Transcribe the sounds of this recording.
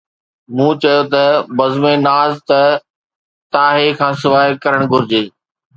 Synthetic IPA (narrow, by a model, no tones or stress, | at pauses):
mũːt͡ɕɐjot̪ɐbɐzmẽnaːzt̪ɐ | t̪aːɦekʰãːsɪʋaːekɐɾəɽ̃ɡʱʊɾɪd͡ʑeː